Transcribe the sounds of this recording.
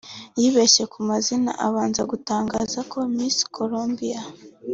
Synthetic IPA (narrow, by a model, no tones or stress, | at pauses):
jiːβeʃe̞kumazina̰ʔa̰βaːnzaɡutaːŋɡaːzakʰo̞misi̥kʰoɾombija